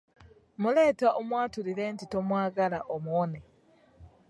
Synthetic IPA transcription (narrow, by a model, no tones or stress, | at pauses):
mule̞ːtaʔomwaːtuliɾe̞ːntito̞mwaːɡalaʔomuone